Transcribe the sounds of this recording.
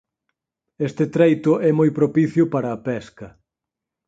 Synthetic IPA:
est̪ɪt̪ɾejt̪ʊʔɛmojpɾopiθjʊpaɾɐːpɛskɐ

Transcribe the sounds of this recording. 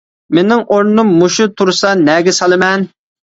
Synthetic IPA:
menɪŋʔoɾnumːuʃut̪ʰuɾsɑnɛɡʲɛsɑlˠɨmɛn

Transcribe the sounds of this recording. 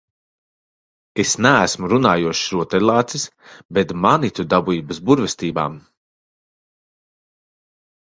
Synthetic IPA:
esnæːsmuɾunaːjuɔʃɾuɔt̪ɛlˠaːt̪sis | bet̪manit̪ud̪abuiːbɐsbuɾvɛst̪iːba̰ːm

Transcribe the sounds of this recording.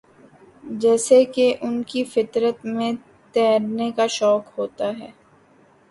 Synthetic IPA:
d͡ʒɛːsekeʔʊnkifɪt̪ɾət̪mẽ | t̪ɛːɾnekaʃɔːkɦoːt̪aɦɛː

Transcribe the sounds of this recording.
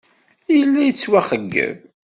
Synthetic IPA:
ijəlːæjət͡sːwæχəɡːə̰v

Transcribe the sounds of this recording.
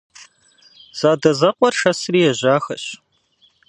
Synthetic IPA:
z̥aːdɐzɐqʷɔrʃɐsriːjɛʑaːxɐɕ

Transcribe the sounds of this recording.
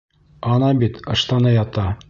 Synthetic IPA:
ɒnɑbit̪ɤ̆ʃt̪ɑnɑjɒt̪ɑ

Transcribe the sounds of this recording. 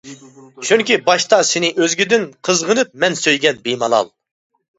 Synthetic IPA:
t͡ʃʰuŋkʲibɑʃt̪ɑsɪnɪʔøzɡʲyd̪ɪnqʰəzʁənɨp̚mɛnsøjɡʲɛnbejmɑlˠɑ̰lˠ

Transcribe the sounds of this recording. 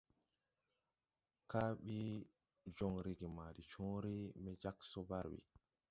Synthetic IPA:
kaːɓi | d͡ʒɔŋɾiɡimadit͡ʃɔːɾimɛd͡ʒaksɔbaɾɓḭ

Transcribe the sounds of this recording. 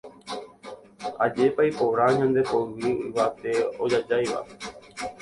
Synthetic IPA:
a̰d͡ʒe̞paipoɾaɲãnd̪e̞poɨʋiḭʋat̪e̞o̰d͡ʒad͡ʒajʋa̰

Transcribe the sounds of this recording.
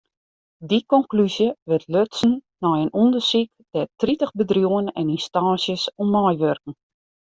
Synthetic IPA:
dikɔŋklysjəʋɪtʰløtsn̩ː | ɔjənundərsik̚d̥ɛtritəxbədrjuənɛ̰ninstaːsjəsɔmːɔjʋørkŋ̩

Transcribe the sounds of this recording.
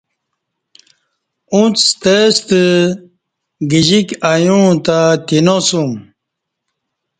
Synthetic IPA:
ũt͡st̪est̪ə | ɡiʑikajũt̪at̪inosum

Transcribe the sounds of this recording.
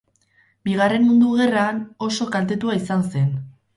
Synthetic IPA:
biɣ̞are̞nmund̪uɣe̞raːno̞so̞kalt̪e̞t̪uaisanse̞n

